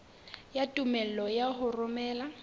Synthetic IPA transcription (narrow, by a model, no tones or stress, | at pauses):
jatʼumɛl̩lɔjaɦʊrʊmɛːla